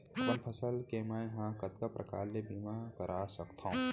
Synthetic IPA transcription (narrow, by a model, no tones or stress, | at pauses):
t̪əmpʰəsəlkemajɦãkət̪kapɾʔɐ̰ka̰ːɾlebiːmakəɾʔasɐkt̪ʰãũ